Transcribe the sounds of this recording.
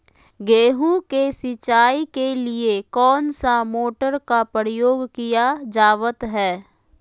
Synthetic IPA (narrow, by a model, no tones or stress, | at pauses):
ɡeːɦũkesɪt͡ʃaːikeliekɔːnsamoːʈəɾkapəɾjoːɡkijad͡ʒaːʋət̪ɦɛː